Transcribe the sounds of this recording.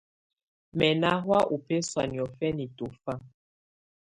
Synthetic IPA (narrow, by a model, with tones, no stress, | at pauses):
mɛ˨na˦ɦwa˦ʔu˨pe˦swa˨ni˨ɔ˨fɛ˦ni˨to˨fa˦